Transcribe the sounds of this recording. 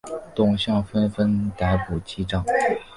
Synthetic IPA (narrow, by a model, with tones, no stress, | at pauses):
t̪ʊ˥˩ŋɕjɑ˥˩ŋfə˥nfə˥nt̪a˧˥ɪpu˨˩t͡ɕi˥ʈ͡ʂɑ˥˩ŋ